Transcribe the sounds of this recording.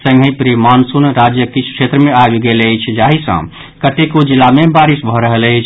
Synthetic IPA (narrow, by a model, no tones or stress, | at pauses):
sə̃ŋɡʱĩpɾimansunɾad͡ʒjəkit͡ʃʰu̥kʰet̪ɾəmeajuɡeləjt͡ʃʰd͡ʒaɦisə̰̃ | kət̪ekod͡ʒilːamebaɾisbʱɔɾəɦələjt͡ʃʰ